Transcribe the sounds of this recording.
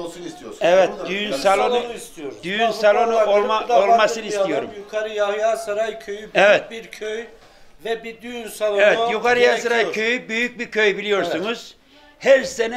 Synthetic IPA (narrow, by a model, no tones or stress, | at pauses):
ɛvɛt̪d̪yjnsalˠonust̪iod̪yjynsalˠonuolˠmaolˠmasɯnɯist̪ijo̞ɾumukʰaɾɯjajasaɾajcʰøjyɛvɛt̪̚biɾkʰøj | vɛbid̪yjnsalˠɛvɛt̪jukaɾɯjasaɾajcʰøjybyjyc̚biɾcʰøjbilʲijo̞ɾsunuz̥ | hæɾsenɛ